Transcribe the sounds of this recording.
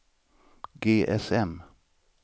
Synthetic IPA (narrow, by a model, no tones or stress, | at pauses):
ɡeːʔɛsɛm